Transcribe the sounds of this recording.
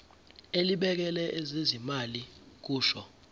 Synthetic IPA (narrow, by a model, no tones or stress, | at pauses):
eliɓɛk̬ɛlɛʔɛzezimalik̬uːʃɔ